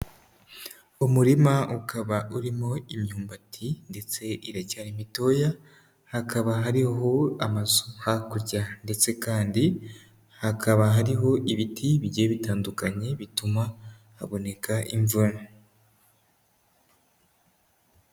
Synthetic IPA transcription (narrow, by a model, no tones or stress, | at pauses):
umuɾimaukʰaβaʔuɾimo̞imɲuːmbatʰinde̞t͡se̞ʔiɾacaːɾimito̞ja | hakaβaɦaɾiɦo̞amazohakuɾɟande̞t͡se̞kaːndi | hakʰaβaɦaɾiɦo̞ʔiβitʰiβiɟeβitaːndukaɲe̞βituma | hːβo̞ne̞kaʔiɱvuna